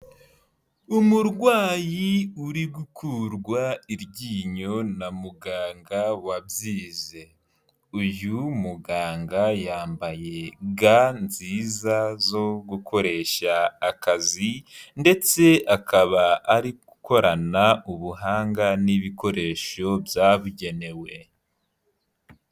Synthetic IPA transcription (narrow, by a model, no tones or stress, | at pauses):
umuɾɡwaːjiuɾiɡukʰuɾɡwaiɾɟiːɲo̞namuɡaːŋɡawabziːze̞ | ujumuɡaːŋɡajaːmbaje̞ɡanziːzazo̞ɡukʰo̞ɾe̞ʃaːkazinde̞t͡se̞akaβaːɾiɡuko̞ɾanauβuɦaːŋɡaniβiko̞ɾe̞ːʃo̞bjaːβuɟe̞ne̞we̞